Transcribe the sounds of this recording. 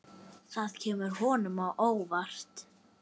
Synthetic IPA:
θaðcʰɛːmʏɾ̥hɔːnʏmawʔoːwvar̥t̪

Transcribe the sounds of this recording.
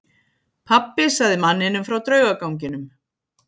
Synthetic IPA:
pʰapːɪsaɣðɪmanːɪnːʏmfɾawt̪ɾœːɥɣakawɲcɪnʏm

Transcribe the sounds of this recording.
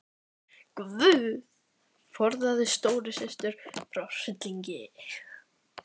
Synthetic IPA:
kvʏð | fɔɾðaðɪst̪oːwɾɪsɪst̪ʏɾ̥fɾawsɪt̪liɲcɪ

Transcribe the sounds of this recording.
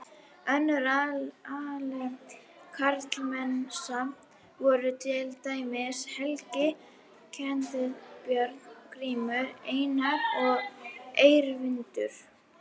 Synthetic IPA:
œnːʏɾaalɛ | kʰaɾt̪lmɛnsa | vɔːɾʏt̪ʰɪlt̪aːjmɪshɛlcɪ | cʰɛnt̪ɪpjœɾt̪nkʰɾiːmʏeːjnaɾɔɣejɾvɪnt̪ʏɾ̥

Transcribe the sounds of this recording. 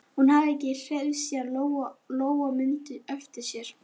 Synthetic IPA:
hunhavɛcːɪr̥ɛðsianloloːwɣamʏnt̪ʏœft̪ɪ̥sjɛɾ̥

